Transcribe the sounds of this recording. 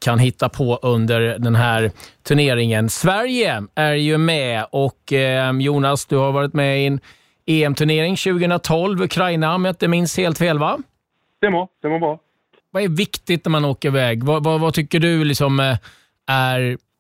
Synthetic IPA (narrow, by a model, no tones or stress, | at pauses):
kʰanɦɪt̪ːapʰɔʔɵnd̪əɾdɛnɦæɾt̪ʰɵɳeːɾɪŋənsvæɾjəæɾjɵmɛɔkːjuːnasd̪ɵhaɾvɑːɾɪt̪mɛɪn | eːɛmt̪ʰɵɳeːɾɪŋɕʉ̟ːɡəhɵnɾat̪ʰɔlvɵkʰɾajnamət̪̚d̪ɛmɪnsheːlt̪feːlva | d̪̥ɛmad̪̥ɛmabɾɑ | vaɛɾvɪkt̪ɪt̪næɾmanoːkəɾɪvɛːɡvavavat̪ʰʏkːəɖɵlɪksɔm | æɾ